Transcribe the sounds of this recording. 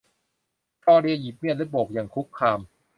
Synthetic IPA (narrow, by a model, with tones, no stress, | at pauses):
t͡ɕɔː˧ɾi˧ji˨˩p̚mi˥˩lɛ˦˥bo˨˩k̚jaː˨˩ŋkʰu˦˥kʰːaː˧m